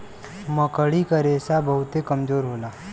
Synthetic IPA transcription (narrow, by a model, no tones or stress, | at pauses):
məkəɭikəɾesabəɦʊt̪ekəmd͡ʒoːɾɦoːla